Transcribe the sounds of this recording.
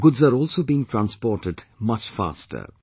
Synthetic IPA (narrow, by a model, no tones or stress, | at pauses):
ɡʊdzaɾɔːlsoːbiːɪ̃ŋʈʰɾãnspɔːɾʈɪɖmʌt͡ʃfa̰ːsʈʰə̰ɾ